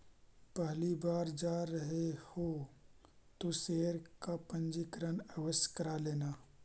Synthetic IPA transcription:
pɛɦlibaːɾd͡ʒaːɾəɦeho | t̪oseːɾkapə̃nd͡ʒikɾənəwəskəɾaleːnaː

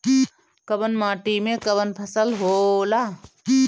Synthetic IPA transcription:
kəbənmaːʈimẽkəbənpʰɐsəlɦolaː

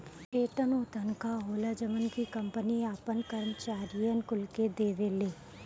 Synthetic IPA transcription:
eːʈənoːt̪ənkaɦoːlad͡ʒəʋənkikɐ̃mpəniaːpənkəɾəmt͡ʃaːɾijənkʊlked̪eːʋeːleː

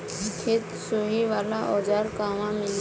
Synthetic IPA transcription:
kʰɪt̪suɦiʋaːlaʔɔːd͡ʒaːɾkaːʋãmɪl

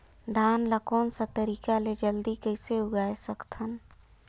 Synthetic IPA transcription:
d̪ʱanlakɔːnsə̃t̪əɾikaled͡ʒəld̪ikəɪseuɡaesəkt̪ʰən

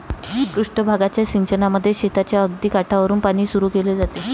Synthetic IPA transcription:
kɾuʂʈəbʱaɡat͡ɕjaɕiɲt͡ɕənaməd̪ʱːjeɕet̪at͡ɕjaəɡd̪iːkaʈʰaʋəɾuːnpaɽ̃iːsuɾuːkeled͡zat̪e

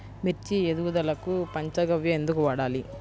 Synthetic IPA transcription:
miɾt͡ʃied̪uʋud̪ɐlɐkupɐɲt͡ʃɐɡɐʋjɐend̪ukuʋaːɽaːli

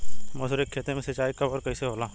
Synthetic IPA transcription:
mɐsʊɾekʰːeːt̪ẽmẽsɐt͡ʃaːikɐbɔːɾkɐiseɦoːlãː

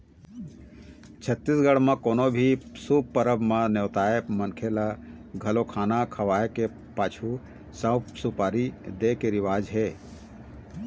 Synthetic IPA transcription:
t͡ʃʰət̪ːisɡəɽmãkoːnobʱisub̚pəɾəbmãnewt̪aːepmənkʰelaɡʱəlokʰaːnakʰəʋaːeke | paːt͡ʃʰu | sə̃wpsupaːɾid̪ekeɾɪʋaːd͡ʒɦeː

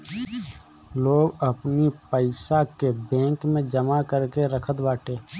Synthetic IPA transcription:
loːɡəpnipəɪsakebɛ̃ːŋkmẽd͡ʒəmakəɾkeɾəkʰət̪baːʈeː

